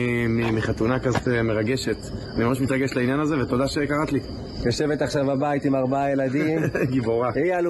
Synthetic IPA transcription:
mimiχat̪unakazot̪meʁaɡe̞ʃe̞t̪animamaʃmit̪ʁaɡeʃtlainjanaze̞vet̪od̪aʃekaʁat̪li | joʃe̞vet̪aχʃavabait̪imaʁbaajelad̪imɡiboʁaial

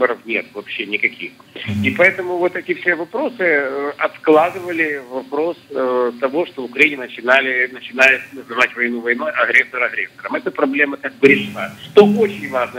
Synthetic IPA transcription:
bəɾəfnʲe̞t̪vɐpɕːenʲɪkɐkʲixipɐɛt̪əmʊvo̞t̪ɛtʲɪfsʲevɐpɾo̞sɨəɐt̪klˠad̪ɨvəlʲɪvɐpɾo̞sət̪ːɐvo̞ʂt̪oʊkɾɐinʲɪnət͡ɕɪnalʲɪnət͡ɕɪnajʊt̪nəzɨvatʲvɐjnuvɐjno̞jɐɣɾʲɛsːəɾɐɣɾʲesːəɾəmɛt̪əpɾɐblʲemək̪ak̚bɾʲɪməʂt̪oo̞t͡ɕɪnʲvaʐnə

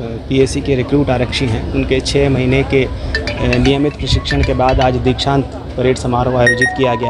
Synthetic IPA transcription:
pieːsikeɾɪkɾuːʈaːɾəkʃiɦɛ̃ʊnket͡ʃʰɛːmɐɦiːneke | nijəmɪt̪pɾɐʃɪkʃəɽ̃kebaːd̪aːd͡ʒd̪ikʃãːnt̪ | pəɾeːʈsɐmaːɾõaːjoːd͡ʒɪt̪kijaɡea

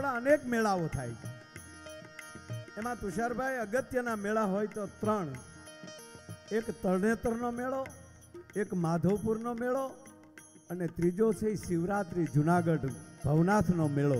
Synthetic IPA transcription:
ɭaənekmeɭaʋot̪ʰajt͡ʃʰe | emãp̪ʊʃaɾbʱajəɡət̪jənameɭaɦojt̪ot̪ɾəɳ̃ | ekt̪əɾnet̪əɾnomeɭo | ekmad̪ʱəʋpuɾnomeɭo | ənet̪ɾid͡ʒosəiʃɪʋɾat̪ɾid͡ʒunaɡəɖbʱəʋnat̪ʰnomeɭo

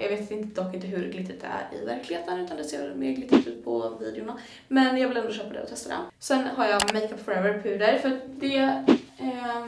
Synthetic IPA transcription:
jɑ̰ːɡveːt̪ɪnt̪əd̪ɔkːɪnt̪əɦɵɾɡlɪt̪ʰːət̪æ̰ɾɪ̰væɾklɪheːt̪ənʉ̟t̪and̪ɛsḛːmḛːɡlɪt̪ʰːət̪ʉ̟ːt̪̚pʰɔviːd̪ɛʊna | mɛnjɑːɡvɪlɛnd̪ʊʃœːpad̪ɛ̰ɔ̰t̪ʰɛst̪ad̪ɛ̰sɛnːɦaɾjɑmɛɪk̪əpfɔɾɛvəɾpʰʉ̟ːd̪əɾfœɾat̪d̪ɛ

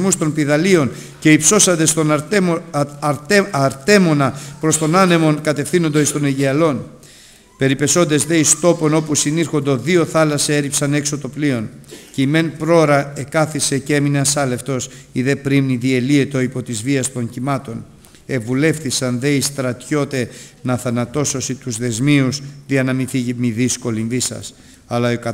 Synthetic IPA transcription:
must̪o̞npiðɐlio̞n | ce̞ipso̞sɐnd̪e̞st̪o | ɾɐɾt̪e̞mo̞nɐpɾo̞st̪o̞nɐne̞mo̞nkɐt̪e̞fθino̞nd̪oist̪o̞neʝeɐlo̞n | pe̞ɾipe̞so̞nd̪e̞zðe̞ist̪o̞po̞no̞pusiniɾxo̞nd̪o̞ðio̞θɐlɐsɐe̞ɾipsɐne̞kso̞t̪o̞plio̞nceime̞npɾo̞ɾɐe̞kɐθise̞cee̞mineɐsɐle̞ft̪o̞siðe̞pɾimniðie̞lie̞t̪o̞ipo̞t̪izviɐst̪o̞ɲcimɐt̪o̞n | e̞vule̞fθisɐnðe̞ist̪ɾɐt̪ço̞t̪e̞nɐθɐnɐt̪o̞so̞sit̪uzðe̞zmiusðiɐnɐmiθicimiðisko̞linðisɐ̰s | ɐlɐokɐ

